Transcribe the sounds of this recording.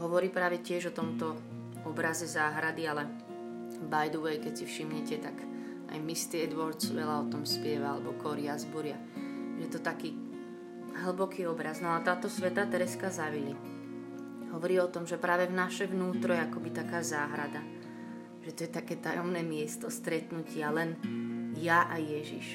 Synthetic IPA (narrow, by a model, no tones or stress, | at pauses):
ɦɔʋɔɾiːpɾaːʋɛcɪɛʒɔt̪ɔmt̪ɔ | ɔbɾazɛzaːɦɾad̪ialɛ | bajd̪ɔʋɛjkɛcsifʃimɲɛcɛt̪aɡ | a̰jmist̪iɛd̪ʋɔɾd̪sʋɛlaɔt̪ɔmspɪɛʋaalɛbɔkɔɾɪazbuɾɪa | ʒɛjɛt̪ɔt̪akiː | ɦl̩bɔkiːɔbɾaznɔat̪aːt̪ɔsʋɛt̪aːt̪ɛɾɛskazaʋili | ɦɔʋɔɾiːɔt̪ɔmʒɛpɾaːʋɛvnaʃɛʋnuːt̪ɾɔjɛakɔbit̪akaːzaːɦɾad̪a | ʒ̥ɛt̪ɔjɛt̪akɛːt̪ajɔmnɛːmɪɛst̪ɔst̪ɾɛt̪nucɪalɛnjaʔajɛʒḭʃ